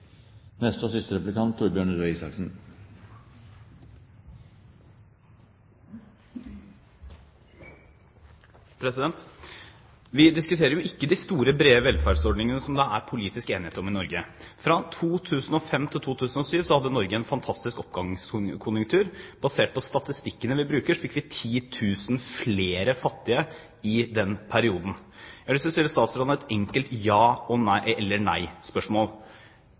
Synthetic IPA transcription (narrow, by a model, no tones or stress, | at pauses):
nɛst̪əɔsɪst̪əɾɛpʉlɪkʰɑnt̪ʰːuɾbjøːɳɾoiːsɑ̰ksn̩ | pʰɾɛsɪd̪ɛnt̪ | ʋɪd̪ɪskʉt̪ʰeːɾəɾjʊʔɪkːəd̪ɪst̪uːɾəbɾeːəʋɛlfæɖsɔɖnɪŋənəsɔmd̪ɑʔæ̰ɾpʰʊliːt̪ɪskəeːnɪheːt̪əɾɔmɪnɔɾɡəfɾɑt̪ʰuːt̪ʰʉːsənɔfɛmt̪ʰɪlt̪ʰuːt̪ʰʉːsn̩ɔsyːʋsɔhɑd̪ːənɔɾɡəɛnfɑnt̪ʰɑst̪ɪskɔpɡɑŋskʰʊnjʊŋkt̪ʰʉːɾbɑseːʈ̚pʰɔst̪ɑt̪ɪst̪ɪkːənəʋɪbɾʉːkəʂfɪkːʋɪt̪ʰiːt̪ʰʉːsnfleːɾəfɑt̪ːɪə | ɪd̪ɛnpʰæɾɪuːd̪n̩ | jɑɪsɔsɛːɾst̪ɑːt̪sɔɖɑnəɛt̪ɛŋkəlt̪jɑːɔnɛlːəɳæ̰ɪspœʂmoːl